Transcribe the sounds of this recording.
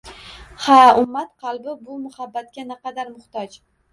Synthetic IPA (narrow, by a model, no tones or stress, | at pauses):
haʊmːat̪qʰɑlˠbɪbʊmʊhabːat̪̚kʲanɪqɑd̪aɾmʊht̪ɒd͡ʒ